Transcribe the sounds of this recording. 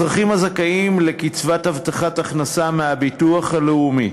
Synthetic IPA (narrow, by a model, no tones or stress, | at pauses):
ʁaχimhazakaimle̞kit͡svathavt̪aχataχnasamehabituaχhaleumi